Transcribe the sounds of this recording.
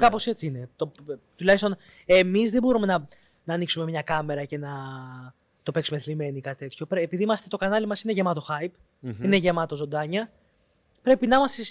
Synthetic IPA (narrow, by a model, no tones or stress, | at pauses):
kɐpo̞se̞t͡siine̞t̪ot̪ulɐçist̪o̞n | emizðe̞bo̞ɾume̞nɐ | nɐːniksume̞mɲɐkɐme̞ɾɐce̞nɐ | t̪o̞pe̞ksumeθlime̞nikɐt̪t̪e̞t̪ço̞peeːpiðimɐst̪et̪o̞kɐnɐlimɐsineʝe̞mɐt̪o̞xɐip | ine̞ʝemɐt̪o̞zo̞nd̪ɐɲɐ | pɾe̞pinɐmɐsi